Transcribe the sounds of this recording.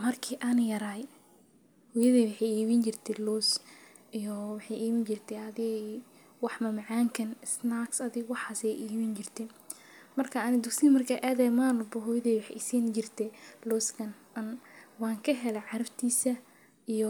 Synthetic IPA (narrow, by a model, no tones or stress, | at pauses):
mɐrkʰiːʔaːnjɐɾaːj | hʊjɐðiːwɑħɑjiːβint͡ʃɪrt̪ʰɛlɔs | ijɔwɑħɑjiːβɪnt͡ʃɪrt̪ʰɛɐðɪ | wɑħmɐmʕɑːŋkʰɐnɪsnaksɐðɪɡwɑħɑːsɛjʔiːβint͡ʃɪrt̪ʰɛ | mɐrkʰɐanɪd̪ʊksiːmɐrkʰɐːʔaːðɛːmaːnʊbɔɦʊjɐðiwɑħɛjɪsiːnt͡ʃɪrt̪ʰɛlɔːskʰɐnʔɐnwaːŋkʰɐɦɛlɛʕɑɾɐft̪ʰiːsɐ | ijɔ